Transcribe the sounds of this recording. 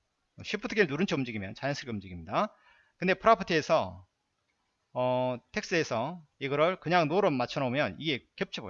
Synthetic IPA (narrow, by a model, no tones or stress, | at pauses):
ʌɕʰip͈ʰɯtʰɯɡeɭnuɾɯnt͡ɕʰeumd͡ʑiɡimjʌnt͡ɕajʌnsʰɯɡʰeumd͡ʑiɡimɲida | kɯnde̞pʰɯɾapʰɯtʰiesʰʌ | ʌtʰe̞k̚s͈ɯe̞sʰʌiɡʌɾɯɭkɯɲaŋnoɾɯmat͡ɕʰʌnaomjʌniɡe̞kjʌp̚t͡ɕʰibo